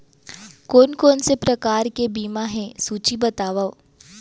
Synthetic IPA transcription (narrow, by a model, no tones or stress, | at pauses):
koːnkoːnsepɾɐkaːɾkebiːmãɦɛ̃suːt͡ʃibɐt̪aːʋao